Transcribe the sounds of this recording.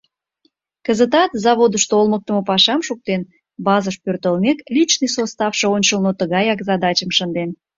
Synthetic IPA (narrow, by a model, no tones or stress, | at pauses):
kəzət̪̬ɑt̪zɑβod̪əʃt̪oolmək̚t̪əməpɑʃɑmʃuk̚t̪en | bɑzəʃpørt̪əlmeklʲit͡ɕnɨjsost̪ɑfʃɤ̆onʲt͡ɕəlnot̪əɣɑjɑkzɑd̪ɑt͡ɕəmʃənd̪en